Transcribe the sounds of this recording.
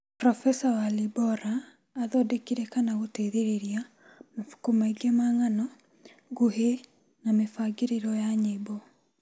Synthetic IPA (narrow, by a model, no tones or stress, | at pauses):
pɾɔfɛsawalibɔɾaː | ðɔdekiɾɛkanaɣotɛðeɾeɾia | mafu̥kumaiɡemaŋanɔ | ɡuɦe | namefaɡeɾeɾɔjaɲebɔ